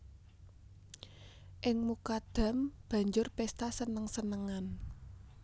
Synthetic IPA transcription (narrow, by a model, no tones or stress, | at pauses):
ʔɪŋmukad̪̥ä̤mb̥ä̤ɲd͡ʒʊrpɛst̪asənəŋsənəŋan